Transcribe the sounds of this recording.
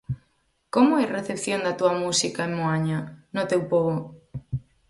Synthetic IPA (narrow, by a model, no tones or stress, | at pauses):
komoejreθepθjond̪at̪uamusikaemmoaɲanot̪ewpoɣo